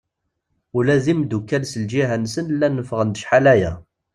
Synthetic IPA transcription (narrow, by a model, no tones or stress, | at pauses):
ulæðimd̪ukːælsəld͡ʒiɦænsənlːænːəfəʁənd̪əʃħalæjæ